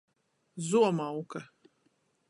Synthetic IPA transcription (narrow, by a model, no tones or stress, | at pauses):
zuɔmawka